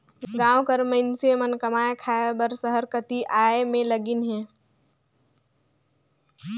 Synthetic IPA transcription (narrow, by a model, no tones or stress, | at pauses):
ɡãːwkəɾməɪnsemənkəmaːekʰaebəɾsəɦəɾkət̪iʔaːemẽləɡɪnɦɛ̃ː